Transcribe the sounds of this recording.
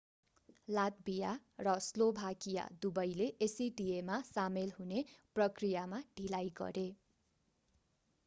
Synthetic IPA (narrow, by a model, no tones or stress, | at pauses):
lad̪̚bijarʌslobʱakija̰d̪ubʌjleʔesiɖiemasamelɦuneprʌkrijamaɖʱilajɡʌ̰ɾe